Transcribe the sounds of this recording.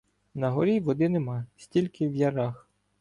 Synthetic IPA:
nɐɦɔɾʲiʋɔd̪ɪnemɑsʲtʲilʲkɪwjɐɾɑx

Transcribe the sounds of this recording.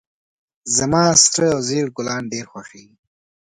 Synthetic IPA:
zamɑːsʈəawzeːɽɡʊlɑːnɖeːɾxwaʂeːɡi

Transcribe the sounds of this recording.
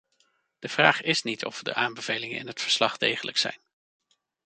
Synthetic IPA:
d̥əv̥raːχɪsnitʰɔ̰fdə̰ʔaːmbəv̥ejlɪŋənɪ̰nɦətfəɹslɑχdejχələksɛ̰jn

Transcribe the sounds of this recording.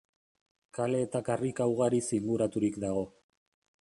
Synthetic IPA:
kale̞ːt̪akarikawɣ̞aɾisiŋɡuɾat̪uɾikd̪aɣo̞

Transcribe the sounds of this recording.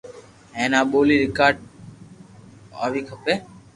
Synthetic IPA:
ẽːnãːɓoːliːɾɪkaːɾɖ̚ | a̰ːʋiːkʰəpeː

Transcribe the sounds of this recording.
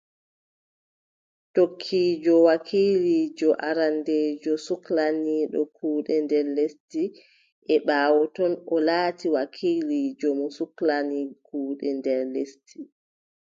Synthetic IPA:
tokʰːiːd͡ʒɔwakʰiːlid͡ʒɔʔaɾandeːd͡ʒɔsuklaniːɗɔkʰuːɗɛndɛɾlesti | ʔɛɓaːwɔtɔnɔlaːtiwakʰiːlid͡ʒɔmɔsuklanikuːɗɛndɛɾlestʰi

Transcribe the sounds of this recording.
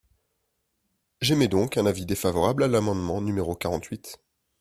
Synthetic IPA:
ʒɛmɛd̪ɔ̃kɛ̃navid̪efavɔʁablalamɑ̃d̪mɑ̃nymeʁokaʁɑ̃t̪ɥit̪

